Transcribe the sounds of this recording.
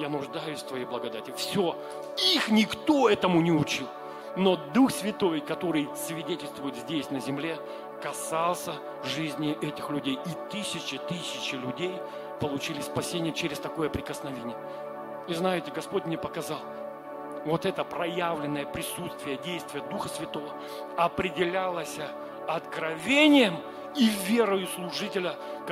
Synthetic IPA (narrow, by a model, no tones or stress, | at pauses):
janʊʐd̪ajʊsʲft̪vɐjijblˠəɡɐd̪atʲɪfsʲo | ixnʲɪkt̪o̞ɛt̪əmʊnʲɪʊt͡ɕilˠ | no̞d̪uxsvʲɪt̪o̞jkɐt̪o̞ɾɨjsvʲɪdʲetʲɪlʲst̪vʊjɪt̪zʲdʲesʲnəzʲɪmlʲe̞ | kɐsɑlˠsʲə | ʐɨzʲnʲɪʔɛtʲɪxlʲʉdʲejit̪ɨsʲɪt͡ɕɪt̪ɨsʲɪt͡ɕɪlʲʊdʲej | pəlˠʊt͡ɕilʲɪspɐsʲenʲɪjət͡ɕeɾʲɪst̪ɐko̞jəpɾʲɪkəsnɐvʲenʲɪjə | iznajɪtʲɪɡɐspotʲmnʲepəkɐzɑlˠ | vot̪ɛt̪əpɾɐjavlʲɪnːəjəpɾʲɪsut̪st̪vʲɪjədʲejst̪vʲɪjəd̪uxəsvʲɪt̪o̞və | ɐpɾʲɪdʲɪlʲalˠəsʲ | ɐt̪kɾɐvʲenʲɪjəm | ivʲe̞ɾəjʊslˠʊʐɨtʲɪlʲək